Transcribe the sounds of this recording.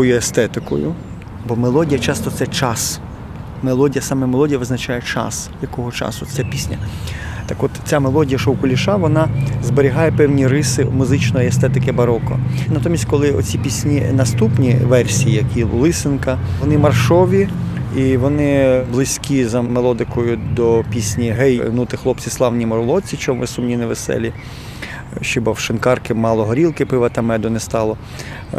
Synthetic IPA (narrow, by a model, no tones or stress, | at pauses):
ɔjuɛst̪ɛt̪ɪkɔ̰jʊ̰ | bɔmelˠɔdʲijɐt͡ʃɑst̪ɔt̪sɛt͡ʃɑs | melˠɔdʲijɐsɑmɛmelˠɔdʲijɐʋɪznɐt͡ʃajɛt͡ʃɑ̰sjɐkɔɦɔt͡ʃɑ̰sʊt͡sʲapʲisʲnʲɐ̰t̪ɑkɔt̪t͡sʲamelˠɔdʲijɐʃɔwkʊlʲiʃɑʋɔnɑzbeɾʲɪɦɑjɛpɛwnʲiɾɪsɪmʊzɪt͡ʃnɔjiɛst̪ɛt̪ɪkɪbɐɾɔkɔ̰nɐt̪ɔmʲisʲt̚ʲkɔlˠɪɔ̰t͡sʲipʲisʲnʲinɐst̪upnʲiʋɛrsʲijijɐkʲilˠʊlˠɪsɪnkɐɔnɪmɐrʃɔʋʲiiʋɔnɪblˠɪsʲkʲizɐmelˠɔd̪ɪkɔjʊd̪ɔpʲisʲnʲiɦɛjnut̪ɪxlˠɔp̚t͡sʲislˠɑwnʲimɔɾʊlˠɔt͡sʲːit͡ʃɔmʋɪsumnʲinɛʋesɛ̰lʲi | ʃt͡ʃɔbɑwʃɪnkɑrkɪmɑlˠɔɦɔɾʲilˠkɪpɪʋɐt̪ɐmɛd̪ʊnɛst̪ɑlˠɔ